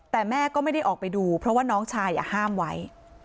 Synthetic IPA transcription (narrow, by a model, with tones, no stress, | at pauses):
t̪ɛː˨˩mɛː˥˩kɔː˥˩ma˥˩jda˥˩jʔɔː˨˩k̚pa˧jduː˧pʰɾɔ˦˥waː˥˩nɔː˦˥ŋt͡ɕʰaː˧jːa̰ː˨˩haː˥˩mwa˦˥j